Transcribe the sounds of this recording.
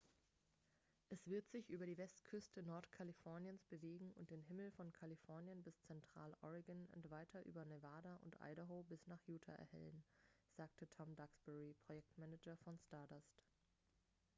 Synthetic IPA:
ʔɛsv̥ɪɐtz̥ɪçʔyːbɐɾiːvɛstkʰʏstənɔɐtkʰalifɔɐnjənsb̥əveːɡŋ̩ʊ̰nt̚d̥eːnɦɪml̩fɔnkʰalifɔɐnjənbɪst͡sɛntʁ̥a̰ːlʔɔ̰ʁɪɡənʊ̰ntv̥aɪtʰɐʔy̰ːbɐnevaːdaʔʊ̰ntʔa̰ɪɾoɦoːbɪsnaːχjuːtʰa̰ʔɛ̰ɐhɛ̰lənz̥aːktʰətʰɔmdaksb̥ɛʁipʁ̥ojɛk̚tmɛnɛd͡ʒɐfɔnstadɔst

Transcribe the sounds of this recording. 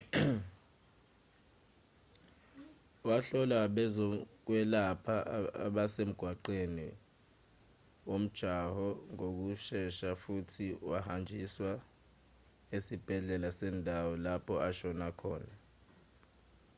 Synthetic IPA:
waɬɔlaɓɛzɔk̬wɛlapʰaa̰ɓasem̩ɡ̥ʱwaǃeni | wom̩d̥ʒ̥ʱahɔŋok̬uʃɛʃafutʰiwahand͡ʒʱiswa | esib̥ʱɛɮɛlasɛːndʱawɔlapʰɔʔaʃɔnakʰɔːna

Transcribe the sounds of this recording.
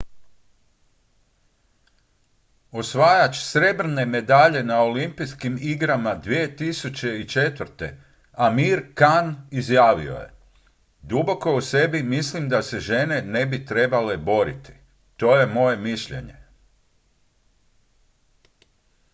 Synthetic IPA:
o̞sʋaːjat͡ʃsɾe̞bɾ̩ne̞me̞d̪aʎe̞nao̞limpijskimiɡɾamad̪ʋiet̪isut͡ɕe̞it͡ʃe̞t̪ʋɾ̩t̪e̞̰ | amiːɾkanizjaːʋḭo̞̰jḛ | d̪ubo̞ko̞usebimislimd̪ase̞ʒe̞ne̞ne̞bit̪ɾe̞bale̞bo̞ɾḭt̪i̥ | t̪o̞ːje̞mo̞je̞miʃʎe̞̰ɲe̞

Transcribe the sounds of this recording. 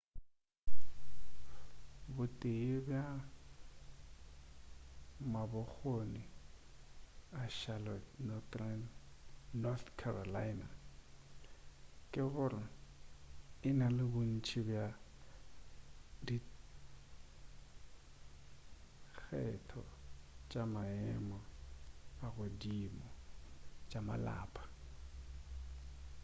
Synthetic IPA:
bʊtʼeɪbja | mabʊk͡xoni | aʃalɔnɔtʼran | nɔt̪kʰarɔlaɪna | kʼɪbʊrɪ | ɪnalɪbʊn̩t͡ʃʰibja | di | k͡xʰɛtʰɔ̰t͡ʃʼamaɛmɔ | aɣʊdimɔ | t͡ʃʼama̰la̰ːpʼḁ

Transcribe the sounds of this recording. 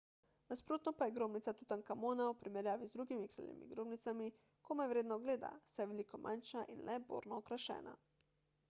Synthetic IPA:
naspɾoːt̪nɔpajɛɡɾoːbnit̪sat̪ut̪aŋkamoːnaupɾimɛɾjaːʋizd̪ɾuɡimikɾḭlḭmḭɡɾoːbnit̪sami | komɛʋɾeːd̪nɔɡleːd̪a̰sajʋɛlikomʔa̰nʃaʔinlʔɛbo̰ːɾnɔːkɾaʃɛ̰ːna̰

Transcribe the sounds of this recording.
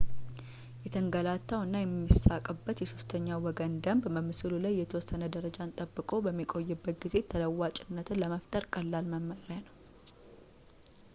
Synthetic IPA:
jɛt̪ʰəŋɡəlat̪ːawɨnːajɛmːisakʼəbːət̪jɛso̞st̪ʰəɲːawɔɡənd̪əmbbəmːɨsɨlulajːɛt̪ʰəwɔsːənəd̪əɾəd͡ʒant̪ʼəbːɨkʼo̞bəmːikʼo̞jːɨbːət̪̚ɡize̞t̪ʰələwːat͡ʃʼɪnːət̪ɨnləməft̪ʼəɾkʼəlːalməmːəɾjanəw

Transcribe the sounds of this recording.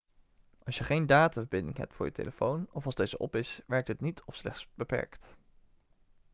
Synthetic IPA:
ʔɑlˠsjəχejndaːtavəbɪndɪ̰ŋɦɛ̰p̚tfʊːɹjətḛləfownɔfɑlˠzdejzəʔɔ̰pɪsʋɛɹk̚tɦətnitʰɔfslɛ̰χtsb̥əpɛ̰ɹkt

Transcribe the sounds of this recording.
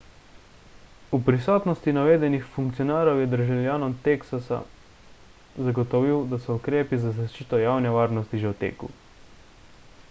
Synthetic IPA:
upɾisɔːt̪nɔst̪inaʋeːd̪ɛnixfuŋkt̪iɔnaːɾɔwjɛd̪əɾʒawljaːnɔmt̪eksasa̰ | zaɡɔt̪ɔʋiwd̪asɔukɾeːpizazaʃt͡ʃiːt̪ɔjaːwnɛʋaːɾnɔst̪iʒɛwt̪ḛːkṵ

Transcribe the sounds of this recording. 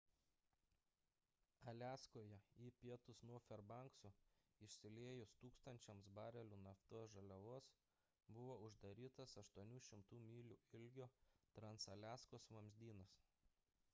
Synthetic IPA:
ɐlʲæːskoːjɛiːpʲiɛt̪ʊsnuɔfʲɛɾbɐˑŋksu | ɪʃʲsʲɪlʲeːjʊst̪uːkst̪ɐnʲt͡ʃʲɛmsbɑːɾʲɛlʲuːnɐft̪uɔsʒɐlʲɛʋuɔs | bʊʋoːʊʒd̪ɐɾʲiːt̪ɐsɐʃt̪uɔnʲuːʃʲɪmt̪uːmʲiːlʲuːɪlʲɡʲoːt̪ɾɐnsɐlʲæːskoːsʋɐmʲzʲd̪ʲiːnɐs

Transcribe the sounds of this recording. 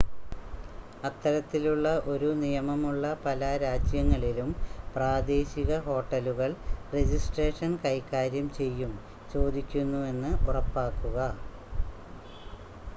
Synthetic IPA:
ɐt̪ːɐɾɐt̪ːiluɭːɐʔo̞ɾunijɐmɐmuɭːɐpɐlɐɾaːd͡ʑjɐŋːɐɭilumpraːd̪e̞ːɕiɣɐɦo̞ːʈːɐluɣɐɭred͡ʑisʈreːʂɐnkɐjkːaːɾjɐmt͡ɕe̞jːum | t͡ɕo̞ːd̪ikʲːunːue̞nːɨʔurɐpːaːkːuɣɐ

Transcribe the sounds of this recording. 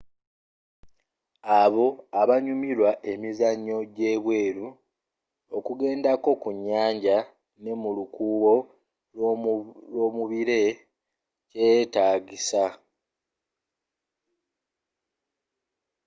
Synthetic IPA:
aβo̞aβaɲumiɾwaʔe̞mizaɲːo̞ɟe̞ːβwe̞ːɾu | o̞kuɡe̞ːndako̞kuɲːaːɲɟa | ne̞mulukuːβo̞ | lo̞ːmuβiɾe̞ | ce̞ːtaːɡisa

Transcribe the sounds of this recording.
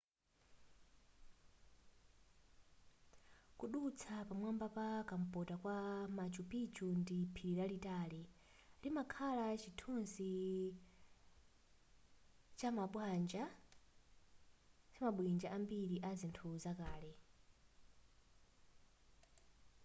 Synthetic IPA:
kuɗut͡sʰapamwambapakam̩pɔtakwamat͡ʃupit͡ʃundipʰiɾiɾalitaːli | limakʰalat͡ʃitʰunsi | t͡ʃamaɓwand͡ʒa | t͡ʃamaɓwind͡ʒaʔambiɾiʔazintʰuzakaːlɛ

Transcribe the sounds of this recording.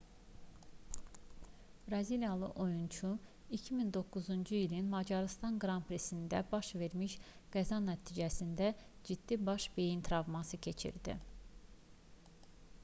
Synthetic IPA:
b̥ɾɑziljɑlˠɯʔo̞junt͡ʃʰu | icʰimind̪o̞kːuzund͡ʒuilinmɑd͡ʒɑɾɯst̪ɑnɡɾɑmpʰɾesind̪æ̰bɑʃve̞ɾmiʃɡ̥æzɑnæt̪ʰiːd͡ʒæsind̪æd͡ʒid̪ːibɑʃbe̞jint̪ʰiɾɑvmɑsɯcʰe̞t͡ʃʰḭɾd̪ḭ

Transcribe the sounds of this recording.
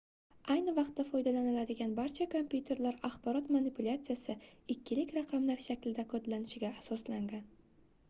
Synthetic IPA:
ajnɪvɑq̚t̪ːafɒjd̪alanɪlad̪ɪɡʲanbaɾt͡ʃʰakʰompjut̪ʰe̞ɾlaɾaχbɒɾɒt̪manɪpʰulʲat̪sijasɪɪkʲʰːɪlɪkʲɾaqʰɑmlaɾʃakʲlɪd̪akʰod̪lanɪʃɪɡʲaːsɒslaŋɡʲan

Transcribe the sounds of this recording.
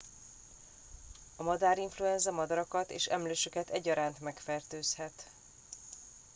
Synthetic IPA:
ɒmɒd̪aːɾiɱfluɛnzɒmɒd̪ɒɾɒkɒt̪ḛːʃɛ̰mløːʃøkɛt̪ɛɟːɒɾaːnt̪mɛkfɛrt̪øːshɛt̪

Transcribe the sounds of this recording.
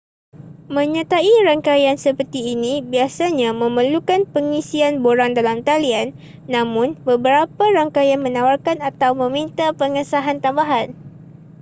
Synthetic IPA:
mə̃ɲat̪aiɾaŋkajansəpərt̪iːnĩbiasaɲãmə̃məlukanpəŋisianboɾaŋdalamt̪alianː | ãmʊ̃nbəbəɾapaɾaŋkajanmə̃nawarkanat̪awmə̃mint̪apəŋəsaɦant̪ambaɦan

